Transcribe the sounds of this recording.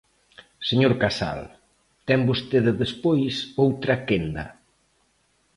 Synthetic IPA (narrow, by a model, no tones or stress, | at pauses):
seɲoɾkasa̰l | t̪ɛmbost̪eðeðespojsowt̪ɾakend̪ɐ̰